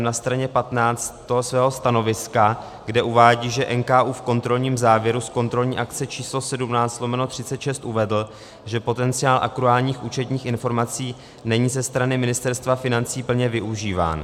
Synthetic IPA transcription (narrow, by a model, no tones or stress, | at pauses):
nast̪ɾaɲɛpat̪naːt͡st̪t̪oɦosvɛːɦo̞st̪ano̞vɪska | ɡdɛʔuvaːɟiːʒɛʔɛnkaːʔuːfko̞nt̪ɾo̞lɲiːmzaːvjɛɾusko̞nt̪ɾo̞lɲiːʔakt͡sɛt͡ʃiːslo̞sɛdumnaːt͡st̪slo̞mɛno̞t̪r̝̥ɪtt͡sɛt̪ʃɛst̪ʔuvɛdl̩ | ʒɛpo̞t̪ɛnt͡sɪaːlʔa̰kɾuaːlɲiːxʔuːt͡ʃɛt̪ɲiːxʔɪnfo̞ɾmat͡siː | nɛɲiːzɛst̪ɾanɪmɪnɪst̪ɛɾst̪vafɪnant͡siːpl̩ɲɛvɪʔuʒiːva̰ːn